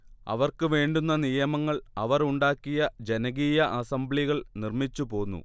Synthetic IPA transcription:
ɐ̰ʋɐrkɨʋe̞ːɳɖunːɐnijɐmɐŋːɐɭɐʋɐruɳɖaːkːijɐd͡ʑe̞nɐɣiːjɐʔɐsɐmbɭiɣɐɭnirmit͡ɕːupo̞ːnːṵ

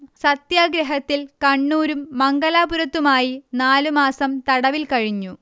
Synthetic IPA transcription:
sɐt̪jaːɡɾɐɦɐt̪ːilkɐɳːuːɾumːɐŋɡɐlaːbuɾɐt̪ːumaːjinaːlumaːsɐmt̪ɐɽɐʋilkɐɻiɲːu

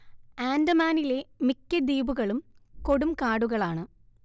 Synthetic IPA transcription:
aːndɐmaːnile̞mikʲːɐd̪iːbuɣɐɭumko̞ɽumkaːɽuɣɐɭaːɳɨ

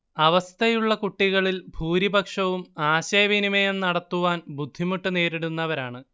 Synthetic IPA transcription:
ɐʋɐst̪ʰɐjuɭːɐkuʈːiɣɐɭilbʱuːɾibɐkʂɐʋumaːɕejːɐʋinimejennːɐɽɐt̪ːuʋaːnbud̪ʱːimuʈːune̞ːɾiɽunːɐʋɐɾaːɳɨ

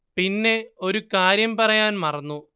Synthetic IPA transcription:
pinːe̞o̞ɾukaːɾjɐmpɐrɐjaːnmɐrɐnːu

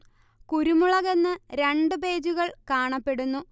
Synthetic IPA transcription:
kuɾumuɭɐɣenːɨɾe̞ɳɖɨbe̞ːd͡ʑuɣɐɭkaːɳɐpːe̞ɽunːu

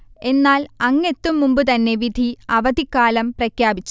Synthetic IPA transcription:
e̞nːaːlɐŋːe̞t̪ːumːumbɨt̪ɐnːe̞ʋid̪ʱiɐʋɐd̪ʱikːaːlɐmprɐkʰjaːbit͡ɕːu̥

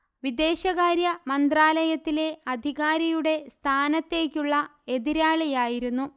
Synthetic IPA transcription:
ʋid̪e̞ːɕɐɣaːɾjɐmɐnd̪raːlɐjɐt̪ːile̞ɐd̪ʱiɣaːɾɐjuɽe̞st̪ʰaːnɐt̪ːe̞ːkʲːuɭːɐe̞ðiɾaːɭɐjaːjiɾunːu

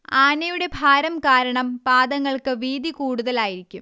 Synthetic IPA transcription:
aːnɐjuɽe̞bʱaːɾɐmkaːɾɐɳɐmpaːd̪ɐŋːɐɭkɨʋiːd̪ʱikuːɽuðɐlaːjiɾikʲːum

